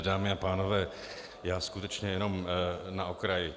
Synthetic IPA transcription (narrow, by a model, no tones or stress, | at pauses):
daːmɪapaːno̞vɛː | jaːskut̪ɛt͡ʃɲɛjɛno̞mnaʔokɾajɪ